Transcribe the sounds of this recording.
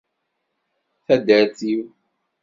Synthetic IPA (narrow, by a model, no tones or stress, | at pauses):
θæd̪əɾθiw